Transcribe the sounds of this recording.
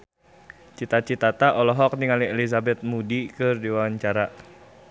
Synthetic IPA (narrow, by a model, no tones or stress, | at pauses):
t͡ʃit̪at͡ʃit̪at̪aʔɔlɔɦɔk̚niŋaliɛliz̬abɛt̪̚mudikɨrdiwaaɲt͡ʃaɾa